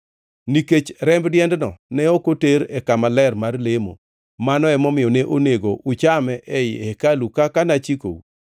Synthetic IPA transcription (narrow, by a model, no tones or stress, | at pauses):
niket͡ʃɾɛmbdjɛndnɔ̰nɛokoteɾɛkamalɛrmarlemo̰ | manɔɛmɔmɪjɔneʔoneɡo̰ʔut͡ʃamɛʔɛjɪɛkalukakanat͡ʃiko̰ṵ